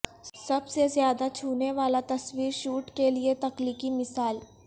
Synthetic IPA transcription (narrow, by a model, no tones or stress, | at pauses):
sɐbsezjaːd̪at͡ʃʰuːneʋaːlat̪ɐswiːɾʃuːʈkeliet̪ɐqliːkimɪsaːl